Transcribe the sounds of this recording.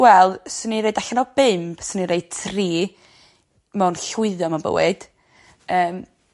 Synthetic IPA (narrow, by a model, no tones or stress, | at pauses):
wɛlˠsəniɾejdaɬanɔbɪmpsəniɾeɨd̥̚tʰriː | mɛnɬʊɨðjɔmabə̰wɪ̰d̥ | əːm